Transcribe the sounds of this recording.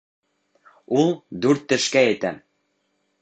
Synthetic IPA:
ulˠd̪ʉɾt̪ːɘ̆ʃkæjɘ̆t̪æ

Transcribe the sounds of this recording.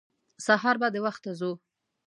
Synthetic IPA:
saɦɑɾbɑd̪ewaxt̪ːazu

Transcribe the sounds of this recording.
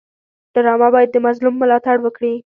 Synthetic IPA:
d̪̥əɾɑmabɑjad̪ːəmazlumːʊlɑt̪aɽwəkɽi

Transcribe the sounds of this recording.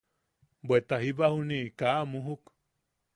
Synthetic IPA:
bet̪ahiβahuniʔkaʔmuɦuk

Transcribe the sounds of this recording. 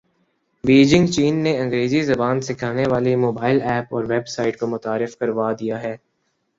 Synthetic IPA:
ʋiːd͡ʒɪ̃ŋɡt͡ʃiːnːeɐ̃ŋɡɾeːzizɐbaːnsɪkʰaːneʋaːlimoːbaːɪlɛːpɔːɾʋɛbsaːɪʈkomʊt̪aːɾɪfkɐɾʋaːd̪ijaɦɛː

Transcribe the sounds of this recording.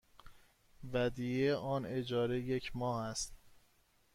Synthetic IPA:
væd̪ijeʔɒːne̞d͡ʒɒːɾejecʰmɒːhæst̪

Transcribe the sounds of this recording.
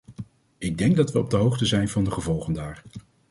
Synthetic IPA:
ɪɡ̚dɛŋɡ̚dɑtʋəɔb̚dəɦowχtəzɛjnvɑndəχəvɔlˠχəndaːɹ

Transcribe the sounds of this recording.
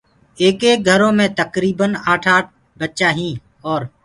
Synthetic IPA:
eːkeːk̚ɡʱəɾõːmẽt̪əkɾiːbənaːʈʰaːʈ̚ʰ | bətːʃaːɦĩː | ɔːɾ

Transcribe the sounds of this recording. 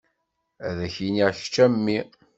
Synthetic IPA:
æðæçiniʁç̥t͡ʃːæmːi

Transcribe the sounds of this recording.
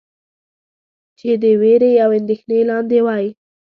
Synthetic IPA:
t͡ʃed̪əweɾejawɪnd̪exnelɑnd̪ewɑji

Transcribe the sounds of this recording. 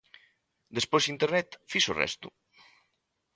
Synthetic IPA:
d̪espozint̪eɾnɛt̪fisorɛ̰st̪u

